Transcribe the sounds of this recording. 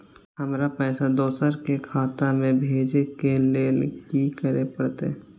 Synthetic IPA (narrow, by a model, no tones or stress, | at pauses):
ɦəmɾapɛːsad̪oːsəɾkekʰaːt̪amẽbʱeːd͡ʒekeleːlɡikəɾepəɽt̪ḛ